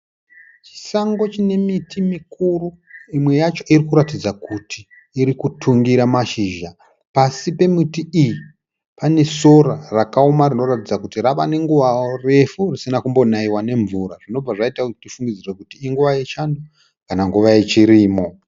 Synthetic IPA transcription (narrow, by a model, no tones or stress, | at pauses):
t͡ʃi̥saŋɡo̞t͡ʃine̞mitʰimikuru | imwe̞jat͡ʃo̞irikuɾatid͡zakutiː | ɾikutʰuŋɡiɾamaʃiːʒa | pasipe̞mitiiji | pane̞so̞ɾarakaumarino̞ratid͡zakutiraʋane̞ŋɡuʋaore̞furisinakumbo̞naiwane̞ɱvuɾaʐino̞b͡vaʐaitakutifuŋɡid͡zirekutiːŋɡuʋajet͡ʃando | kanaŋɡuʋaet͡ʃiɾiːmo̞